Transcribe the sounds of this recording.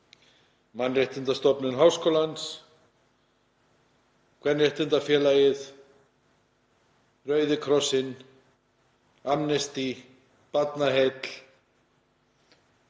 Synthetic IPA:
manreht̪ɪnt̪ast̪ɔpnʏnɦaːwskowlans | kʰvɛnreht̪ɪnt̪afjɛːlajɪð | rœɥðɪkʰɾɔsɪn | amnɛst̪i | pat̪nahet̪l̥

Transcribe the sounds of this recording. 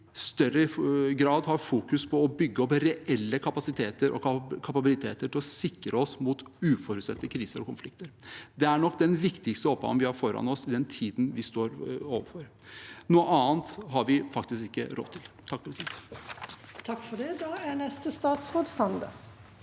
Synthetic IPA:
st̪œɾəɪɡɾɑːd̪ɦɑɾfuːkʉspʰɔːbʏɡːəɔpɾɛʔɛlːəkʰɑpɑsɪt̪ʰeːt̪əɾʔɔ̰kʰɑpɑbɪlɪt̪ʰeːt̪əʈʰɪlɔsɪkɾəɔsmut̪ʉːfɔɾʉt̪sɛt̪ːəkʰɾiːsəɾɔkʊnflɪkt̪əɾd̪ɛæɳɔkːd̪ɛnʋɪkt̪ɪkst̪əɔp̚ɡɑ̰ʋnʋɪhɑɾfɔɾɑ̰nɔsɪd̪ɛnt̪ʰiːd̪nʋɪst̪oːɾoːʋəɾfɔɾ | nuːəʔɑːnt̪ɦɑɾʋɪfɑkt̪ɪskɪkːə̰ɾɔ̰t̪ʰːɪlt̪ʰɑk̚ːpʰɾsit̪ | t̪ʰɑkːfɔd̪ɛd̪ɑːænɛst̪əst̪ɑːt̪sʁoːd̪sɑnd̪ə̰

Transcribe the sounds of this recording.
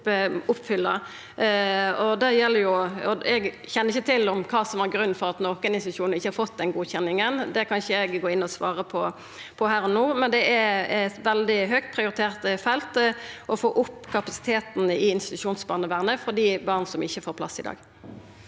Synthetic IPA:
ʊpːfʏlːɑ | ɔd̪æjɛlːəjʊɔɛɡ | çɛnːəɾɪçːət̪ʰɪlɔmkʰɑːsɔmʋɑɾɡɾʉnːfɔʁɑt̪nɔkənɪnst̪ɪt̪ʉ̥ʃuːnɪçːəhɑɾfɔt̪ːd̪ɛnɡuːçɛnɪŋənd̪ɛkʰɑnʃəɛɡɡoːɪnːɔsʋɑ̰ːʁəpʰɔ | pʰɔhæːɾɔnoːmɛnd̪ɛɛɛt̪ʋɛld̪ɪɦœk̚t̪̚pʰʁɪʊɾɪt̪ʰeːʁt̪fɛlt̪ʔɔfoːʔʊpːkʰɑpɑsɪ̥t̪ʰeːt̪n̩ɪɪnst̪ɪt̪ʉʂuːnsbɑːʁnəʋæːʁnəfɔd̪iːbɑːʁnsɔmɪçːəfoːɾplɑ̰sːɪd̪ɑ̰ːɡ

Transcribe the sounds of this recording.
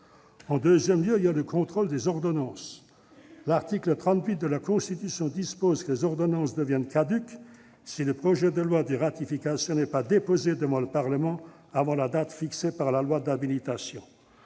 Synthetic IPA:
ɑ̃d̪øzjɛmljøiljaləkɔ̃t̪χold̪ezɔʁd̪ɔnɑ̃s | laʁt̪iklət̪χɑ̃t̪ɥit̪̚d̪əlakɔ̃st̪it̪ysjɔ̃d̪ispozkəlezɔʁd̪ɔnɑ̃sd̪əvjɛnkad̪yk | siləpχɔʒɛd̪əlwad̪əʁat̪ifikasjɔ̃nɛpad̪epozed̪əvɑ̃ləpaʁləmɑ̃ | avɑ̃lad̪at̪fiksepaʁlalwad̪abilit̪asjɔ̃

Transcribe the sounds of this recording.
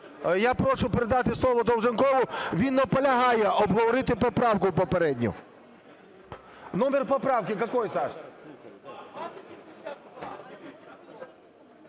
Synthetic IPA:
japɾɔʃʊpeɾɪd̪ɑt̪ɪslˠɔʋɔd̪ɔwʒenkɔʋʊʋʲinːɔpɔlʲɐɦɑjɛʔɔbɦɔʋɔɾɪt̪ɪpɔpɾɑwkʊpɔpeɾɛdʲnʲʊ̰ | nɔmerpɔpɾɑwkɪkɐkɔjsɑʃ

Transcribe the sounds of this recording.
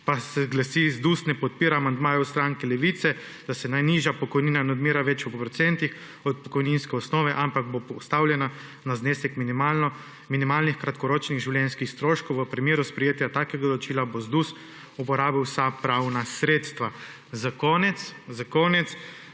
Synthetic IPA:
pasɛɡlasizd̪usnɛpɔt̪̚piːɾaːmand̪maːjɔwst̪ɾaŋkɛlɛʋit̪sɛ | d̪̥asɛnajniʒjapɔkɔjniːnanɛɔd̪miːɾaʋɛt͡ʃupɾɔt̪sɛnt̪ix | ɔt̪̚pɔkɔjninskɛɔsnɔːʋɛʔampaɡ̚bopɔst̪awljɛna | nazneːsɛkminmanɔ | minimaːlnixkɾat̪kɔɾoːt͡ʃniɣʒiwljɛnskixst̪ɾoːʃkɔwʋəpɾɛmeːɾuspɾɛjeːt̪jat̪akɛɡad̪ɔlɔt͡ʃiːlabozd̪us | upɔɾaːbiwsapɾawnasɾeːt̪st̪ʋa | zakɔːnɛt̪szakoːnɛt̪s

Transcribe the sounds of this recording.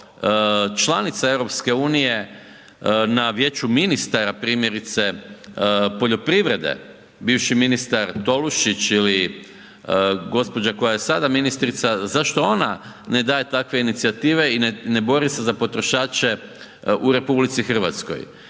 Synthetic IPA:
t͡ʃlˠanit̪sae̞ʋɾo̞pske̞uːnije̞ | naʋje̞ːt͡ʃuminist̪aɾapɾiːmje̞ɾit̪se̞ | po̞ʎo̞pɾiʋɾe̞d̪ḛ | biːʋʃiminist̪aɾt̪o̞luʃit͡ʃili | ɡo̞spo̞d͡ʑako̞jaje̞sad̪aminist̪ɾit̪sazaʃt̪o̞o̞na | ne̞d̪aːjet̪akʋe̞init̪siat̪iːʋe̞inne̞bo̞ɾisezapo̞t̪ɾo̞ʃaːt͡ʃe̞ | uɾe̞publit̪sixər̩ʋa̰t̪sko̰j

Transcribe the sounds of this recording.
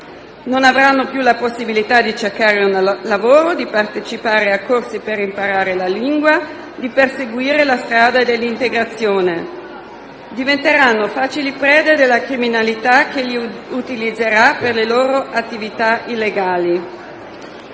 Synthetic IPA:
nonavɾanːopjulaposːibilit̪ad̪it͡ʃerkaːɾeunlavoːɾod̪ipart̪et͡ʃipaːɾeakːorsipeɾimpaɾaːɾelaliŋɡwa | d̪iperseɡwiːɾelast̪ɾaːd̪ad̪elːint̪eɡɾat̪sːjoːne | d̪ivent̪eɾanːofaːt͡ʃilipɾɛːd̪ed̪elːakɾiminalit̪akeʎiut̪ilid̪zːeɾaperleloːɾoʔat̪ːivit̪ailːeɡaːli

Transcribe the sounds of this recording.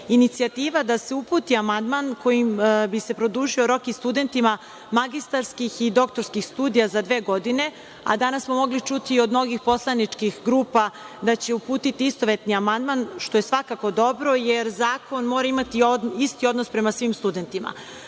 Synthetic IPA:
init̪siat̪iːʋad̪ase̞upuːt̪iamand̪manko̞jimbise̞pɾo̞d̪uːʒio̞ɾo̞kist̪ud̪e̞nt̪ima | maɡist̪aɾskixid̪o̞kt̪o̞ɾskixst̪uːd̪ijazad̪ʋe̞ːɡo̞d̪ine̞ | a̰d̪anassmo̞mo̞ɡlit͡ʃut̪io̞d̪no̞ɡixpo̞slˠanit͡ʃkixɡɾuːpa | d̪at͡ɕe̞upuːt̪it̪iist̪o̞ʋe̞t̪niamand̪manʃt̪o̞je̞sʋakako̞d̪o̞bɾo̞jeɾzaːko̞nmo̞ːɾaimat̪ioist̪io̞d̪nospɾe̞masʋimst̪ud̪e̞nt̪ima̰

